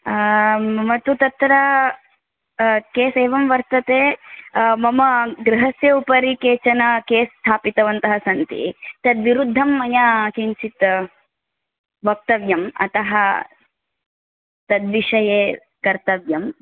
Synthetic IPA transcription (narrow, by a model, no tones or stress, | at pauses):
mɐt̪ːut̪ɐt̪ɾɐ | keːseːʋɐmʋɐɾt̪ɐt̪eː | mɐmɐɡɾɐɦɐsjɐupɐɾikeːt͡ʃɐnɐkeːst̪ʰaːpit̪ɐʋɐnt̪ɐɦɐsɐnt̪ḭt̪ɐd̪ʋiɾud̪ʱːɐmːɐjakint͡ʃit̪ | bɐk̚t̪ɐʋjɐmɐ̰t̪ɐɦɐ | t̪ɐd̪ʋiʂɐjeː | kɐɾt̪ɐʋjɐm